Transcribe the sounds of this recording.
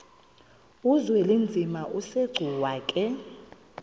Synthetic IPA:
uzwɛlind͡zʱimaʔuseɡ͡ǀʱuwaːkʼɛ

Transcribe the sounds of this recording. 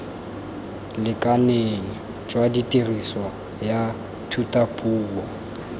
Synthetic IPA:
lɪkʼaneŋ̩ | d͡ʒwaditʼiriswa | ja | tʰutʼapʼuːɔ

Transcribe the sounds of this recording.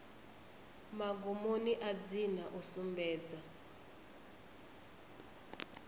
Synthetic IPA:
maɡumoniʔad͡zinaʔusumbɛːd͡za

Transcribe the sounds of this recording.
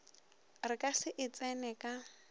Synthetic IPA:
rɪkʼasɪʔɪt͡sʼɛnɛkʼa

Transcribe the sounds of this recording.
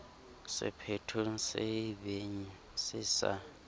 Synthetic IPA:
sɪ̰pʰetʰusɛbeɲi | sɪsa̰

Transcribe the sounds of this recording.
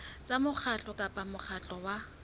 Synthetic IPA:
t͡sʼamʊk͡xʰat͡ɬʼɔkʼapʼamʊk͡xʰat͡ɬʼɔwa

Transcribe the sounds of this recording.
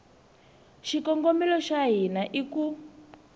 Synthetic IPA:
ʃikɔŋɡomilɔʃaɦinaʔiku

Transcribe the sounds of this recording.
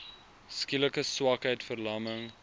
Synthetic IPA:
skiləkəswakɦəjtfərlɐməŋ

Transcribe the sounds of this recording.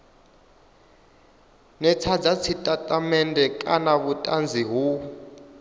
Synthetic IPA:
nɛt͡sʰad͡zat͡sʰitʼatʼamɛndʱʼɛkʼanaβutʼand͡zʱiɦu

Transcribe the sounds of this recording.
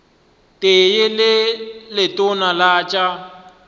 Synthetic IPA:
tʼejɪlɪlɪtʼʊnalaːt͡ʃʼa

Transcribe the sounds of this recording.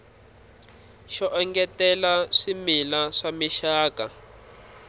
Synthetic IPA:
ʃɔʔɛŋɡɛtɛlaʂimilaʂamiʃaːka

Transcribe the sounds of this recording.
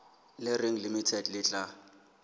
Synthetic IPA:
lɪreŋ̩limitʰɛdlɪt͡ɬʼa

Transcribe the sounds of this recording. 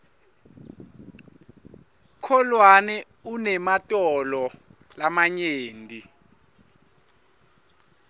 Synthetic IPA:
kʰɔlwanɛ | unɛmatʼɔlɔlamaɲeːndʱi

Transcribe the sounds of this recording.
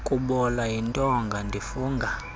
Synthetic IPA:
kʼuɓɔlaintʼɔŋɡʱandʱifuːŋɡʱa

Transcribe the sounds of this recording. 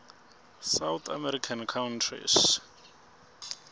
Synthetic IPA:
sawt̪ʰa̰mɛɾikʰankʰawntʰrḭs

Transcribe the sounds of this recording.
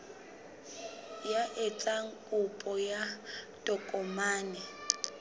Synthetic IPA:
jaʔɪt͡sʼaŋ̩kʼʊpʼɔja | tʼɔkʼɔmaːnɛ

